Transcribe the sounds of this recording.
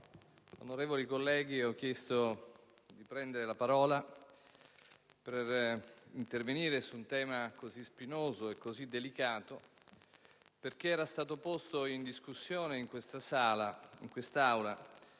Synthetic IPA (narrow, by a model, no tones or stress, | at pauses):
o̰noɾeːvolikolːɛːɡ̟iɔk̟ːjɛst̪o | d̪ipɾɛnd̪eɾelapaɾɔːla | perint̪erveniːɾesunt̪ɛːmakozispinoːzoekːozid̪ːelikaːt̪o | perk̟eɛːɾast̪aːt̪opost̪oind̪iskusːjoːneiŋkwest̪asaːlaḭŋkwest̪aawla